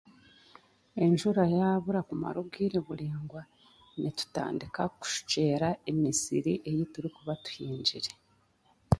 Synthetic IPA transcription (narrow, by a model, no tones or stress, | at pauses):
e̞ɲʒuɾajaːβuɾakuma̰ɾuɡiɾeβuliːŋɡwa | nitu̥ta̰ːndikaku̥ʃu̥ce̞ːɾae̞misḭɾiʔe̞jituɾikuβatu̥hiːɲɟiɾe